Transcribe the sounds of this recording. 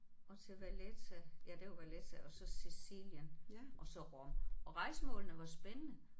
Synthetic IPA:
ʔɒ̽t͡sʰe̝lʋælet͡sʰæjæd̥e̝wɑʋælet͡sʰæʔɒ̽sɒ̽sisiljənʔɒ̽sɒ̽ʁɔmʔɒ̽ʁɑ̈ɪ̰səmɔ̰̽ːlənəʋɑ̈sb̥enənə

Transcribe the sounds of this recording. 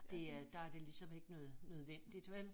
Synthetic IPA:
d̥e̝d̥ɑ̈æɐd̥e̝lisɒ̽me̝ɡ̥ənøːð̩ˠnøð̞ˠʋen̰d̥id̥ʋel

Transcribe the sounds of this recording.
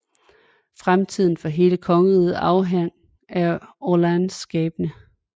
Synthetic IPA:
fʁamt͡sʰið̞̰ˠn̩fɒ̽ɦe̝ːləkʰɒ̽ŋəʁið̩ˠɑ̈ʊɦeŋ̰ | æɐolænsɡ̥ɛːb̥ənə

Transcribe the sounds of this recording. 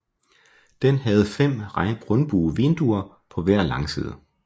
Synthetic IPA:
d̥enhæð̞̩ˠfem̰ʁɡ̥ʁɔ̽nb̥uːʋend̥uɐ | pʰɒ̽ʋæɐ̰lɑ̈ŋsḭːð̞̰ˠ

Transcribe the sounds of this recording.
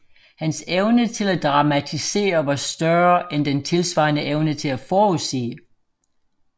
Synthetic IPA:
hænseʊnət͡sʰe̝læd̥ʁɑ̈mæt͡sʰise̝̰ːɐʋɑ̈sd̥ɶɐʔend̥ent͡sʰe̝lsʋɑ̰̈ːnəʔeʊnət͡sʰe̝læfɒːusḛː

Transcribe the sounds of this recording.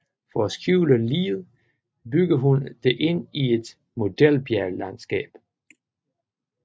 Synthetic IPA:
fɒæsɡ̥juʊləlḭːð̩ˠ | b̥yɡ̥ɐɦund̥e̝ʔe̝n̰ie̝d̥ | mo̝d̥el̰b̥jæɐlænsɡ̥ɛ̰ːb̥

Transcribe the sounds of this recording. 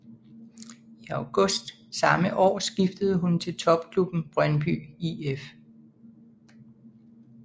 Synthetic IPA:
iɑʊɡ̥ɔ̽sd̥ | sɑ̈məʔɒ̰ːsɡ̥ifd̥əð̞̩ˠɦunt͡sʰe̝lt͡sʰɒ̽b̥̚kʰlub̥n̩b̥ʁɶnb̥y̰ief

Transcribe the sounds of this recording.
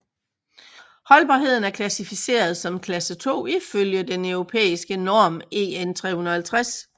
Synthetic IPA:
hɒ̽lb̥ɑ̈ɦe̝ð̞̰ˠn̩æɐkʰlæsifise̝̰ːɐð̞ˠsɒ̽mkʰlæsət͡sʰo̝̰ːiføljəd̥enœʊʁo̝pʰḛːisɡ̥ənɒːme̝̰ːent͡sʰʁɛ̰hunɐhælt͡sʰʁas

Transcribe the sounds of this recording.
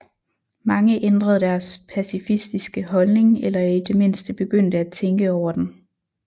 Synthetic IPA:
mɑ̈ŋəʔend̥ʁɐð̞̩ˠd̥æɐspʰæsifisd̥isɡ̥əɦɒ̽lne̝ŋelɐid̥e̝me̝n̰sd̥əb̥e̝ɡ̥øn̰d̥əæt͡sʰeŋɡ̥əɒʊ̰ɐd̥em

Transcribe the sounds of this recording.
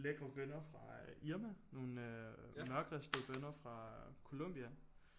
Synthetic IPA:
leɡ̥ʁɐʋenɐfʁɑ̈iɐmæno̝ːnømɶɐɡ̥ʁɛsd̥əʋenɐfʁɑ̈kʰo̝lom̰b̥iæn

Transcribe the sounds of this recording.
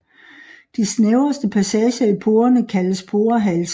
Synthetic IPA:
d̥isneʊɐsd̥əpʰæsɛːɕɐipʰo̝ːɐnəkʰæləspʰo̝ːɐɦæls

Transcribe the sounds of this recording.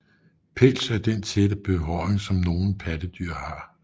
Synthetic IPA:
pʰelsæɐd̥ent͡sʰed̥əb̥e̝ɦɒeŋsɒ̽mno̝ːn̩pʰæd̥əd̥yɐ̰hɑ̈

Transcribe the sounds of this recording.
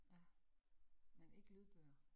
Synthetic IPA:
jæ | mene̝ɡ̥lib̥øːɐ

